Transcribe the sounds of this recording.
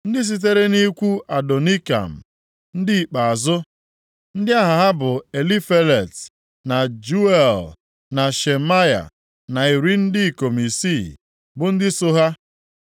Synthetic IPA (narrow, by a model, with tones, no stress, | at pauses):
n̩˦dɪ˦s̬i˦t̬e˦ɾe˦ni˦kʷu˦a˨do˨ni˦ka̰˨m̩˨ | n̩˦dɪ˦i˨k͡pa˨a˨zʊ˦ | n̩˦dɪ˦a˦ɦa˨ɦa˦bʊ˨e˨li˦fe˦le˨t | na˨d͡ʒu˦e˨l | na˨ʃe˨ma˦ja̰˨ | na˨i˨ɾi˦n̩˦di˦i˨ko˨mi˨si˦˨ | bʊ˨n̩˦dɪ˦so˦ɦa˦